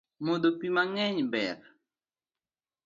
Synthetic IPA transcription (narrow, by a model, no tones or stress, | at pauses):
modopimaŋɛɲbɛɾ